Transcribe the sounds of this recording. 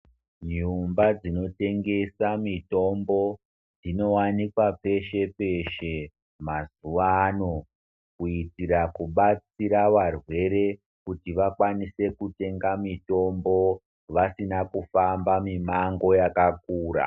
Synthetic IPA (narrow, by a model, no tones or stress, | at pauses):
ɲumbad͡zino̞te̞ŋɡe̞samito̞mbo̞ | d͡zino̞wanikwape̞ʃe̞pe̞ʃe̞ | mazuʋaːno̞ | kuitirakuɓat͡siɾaʋarwe̞ɾe̞ | kutiʋakwanise̞kute̞ŋɡamito̞mbo̞ | ʋasinakufambamimaŋɡo̞jakak̚uːɾa̰